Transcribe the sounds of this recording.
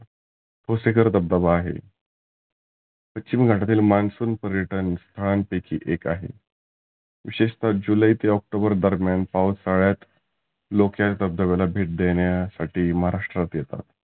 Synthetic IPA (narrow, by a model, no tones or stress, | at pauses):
t̪ʰosekəɾt̪əb̚d̪əbaːɦḛ | pətt͡ɕimɡʱaʈat̪iːlmansuːnpəɾjəʈənst̪ʰəɭanpekʰḭːʔekaɦḛ | ʋiɕeɕt̪ad͡ʑuləit̪eɔk̚ʈobəɾd̪əɾmjanpawsaɭjat̪ | lokjatt̪əb̚d̪əβelabʱeʈ̚d̪eɳjasaʈiːməɦaɾaʂʈɾat̪jet̪a̰t̪